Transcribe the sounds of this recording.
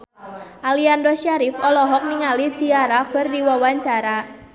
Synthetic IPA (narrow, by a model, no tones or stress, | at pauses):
ʔaliandɔʃaɾifɔlɔɦɔk̚niŋalid͡ʒiaɾakɨrdiwawaɲt͡ʃaɾa